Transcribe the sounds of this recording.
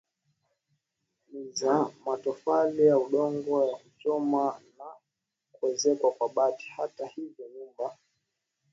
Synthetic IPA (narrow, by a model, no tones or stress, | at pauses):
nizamatɔfalijauɗɔŋɡɔjakut͡ʃɔmana | kuɛzɛkwakwaɓati̥hatahivjɔɲumba